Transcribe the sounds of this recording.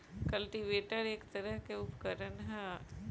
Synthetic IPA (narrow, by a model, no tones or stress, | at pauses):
kɐlʈiʋeːʈəɾeːkt̪ɐɾəɦkeʊpkəɾənɦɛ̃